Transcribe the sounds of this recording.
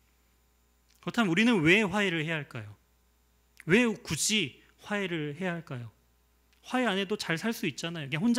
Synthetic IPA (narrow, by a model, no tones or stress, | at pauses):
kɯɾʌtʰammuɾinɯnwe̞ɸwaeɾɯɭhe̞jaɦaɭk͈a̰jo | wekud͡ʑi | ɸwaeɾɯɭhe̞jaɦaɭk͈ajo | ɸwaeane̞dot͡ɕaɭsʰaɭs͈uit̚t͡ɕ͈anajoikʰeɦond͡ʑ